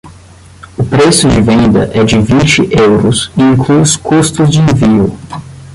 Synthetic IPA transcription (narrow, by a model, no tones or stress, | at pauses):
ʊpɾesʊd͡ʒɪvẽnd̪ɐ̰ʔɛd͡ʒɪvĩnt͡ʃɪʔewɾʊsɪĩkluskust̪ʊzd͡ʒɪẽviʊ